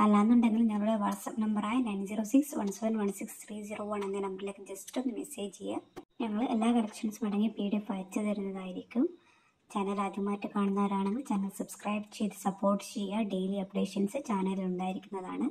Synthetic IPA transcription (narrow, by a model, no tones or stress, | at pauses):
ɐlːaːnːuɳɖeŋːɐɭɲɐŋːɐɭuɽeʋɐrsɐpːnɐmbɐraːjinɐjnsiːroːsiksʋɐ̰ɳseʋɐnʋɐɳsikst̪ʰriːd͡ʑiroːʋɐɳenːɨnɐmbɐrile̞ːkːɨd͡ʑestonɨmeseːt͡ɕejːaɲɐŋːɐɭelːaːkɐɭɐkʂɐnsɨmɐɽɐŋːipiːɽefɐt͡ɕːɨðɐɾunːɐðaːjiɾikʲːum | t͡ɕɐnːɐlaːd̪jɐmːaːtːɨkaːɳunːaːɾaːɳeŋːɐɭt͡ɕɐŋːɐɭsɐbskrɐjbt͡ɕejtɨ̥sɐpːo̞ːrʈːɨ̥t͡ɕejːaɖejliɐpɖeːʂɐnsɨt͡ɕaːnɐliluɳɖaːjiɾikʲːunːɐða̰ːɳɨ